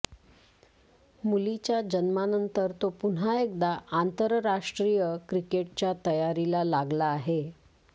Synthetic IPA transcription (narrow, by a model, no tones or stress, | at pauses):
mulit͡ɕjad͡ʑənmanənt̪əɾt̪opun̤aek̚d̪aʔant̪əɾɾaʂʈɾijəkɾikeʈ̚t͡ɕjat̪əjaɾilalaɡlaːɦe